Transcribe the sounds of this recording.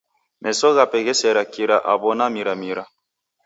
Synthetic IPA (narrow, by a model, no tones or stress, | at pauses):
mʔɛsɔɣapɛɣɛsɛɾakiɾaʔaβɔnamiɾamiɾa